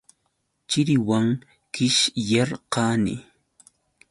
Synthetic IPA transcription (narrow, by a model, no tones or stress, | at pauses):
t͡ʃɪɾɪwaŋ | kɪʃjɑɾqɑːnɪ̰